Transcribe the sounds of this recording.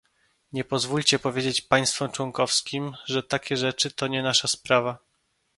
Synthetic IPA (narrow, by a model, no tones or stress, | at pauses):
ɲɛpɔzvulʲt͡ɕɛpɔvʲjed͡ʑet͡ɕpaj̃st̪fɔmt͡ʂwɔŋkɔfskʲimʐɛt̪akʲɛʐɛt͡ʂɘt̪ɔɲɛnaʂaspɾava